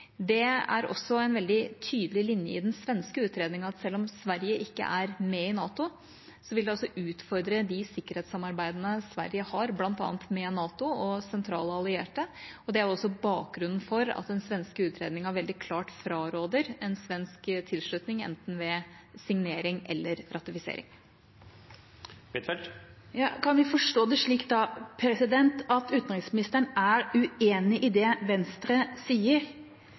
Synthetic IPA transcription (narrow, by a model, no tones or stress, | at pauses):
d̪ɛæ̰ɾɔ̰sːɔɛɪnʋɛld̪ɪt̪ʰyːd̪əlɪlɪnjə̰ɪd̪ɛnsʋɛnskəʉːt̪ɾeːd̪nɪŋɑt̪sɛlːɔmsʋæɾjəʔɪkːə̰ʔæɾmɛɪnɑːt̪ʊ | sɔʋɪld̪ɛɔsːɔʔʉːt̪fɔɾd̪ɾəd̪ɪsɪkːəɾheːt̪sɑmɑɾbæɪd̪ənəsʋæ̰ɾjəhɑɾblɑnt̪ɑ̰ːnt̪mɛnɑːt̪ʊɔsɛnt̪ʰɾɑ̰ːləɑlɪeːʈəɔd̪ɛæɾɔsːɔbɑːk̚ɡɾʉnːn̩fɔɾɑ̰t̪̚d̪ɛnsʋɛnskəʉːt̪ʰɾḛːd̪nɪŋæɾʋɛld̪ɪkʰlɑːʈfɾɑːɾoːd̪əɾɛnsʋɛnskt̪ʰɪlʂɭʉt̪nɪŋɛ̰nt̪n̩ʋɛ | sɪŋneːɾɪŋʔɛ̰lːəɾɾɑt̪ɪfɪsḛːɾɪ̰ŋ | jɑːkʰɑnʋɪfɔʂʈoːd̪ɛʂɭiːkt̪̚d̪ɑpʰɾɛsɪd̪ɛnt̪ɑt̪ʉːt̪nɾɪŋsmɪnɪst̪əɳæɾʉeːnɪʔɪd̪ɛʋɛnst̪ɾəsiːəɾ